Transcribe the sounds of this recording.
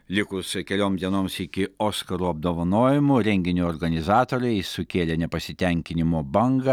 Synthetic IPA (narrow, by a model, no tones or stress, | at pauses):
lʲɪkʊskʲɛlʲoːmd̪ʲiɛnoːmsɪkʲɪoːskɐɾuːɐb̚d̪oːʋɐnoːjɪmʊɾʲɛŋʲɡʲɪnʲuɔːɾɡɐnʲɪzɑːt̪oːɾʲɛɪsʊkʲeːlʲenʲɛpɐsʲɪt̪ʲɛŋʲkʲɪnʲɪmoːbɐŋɡɐ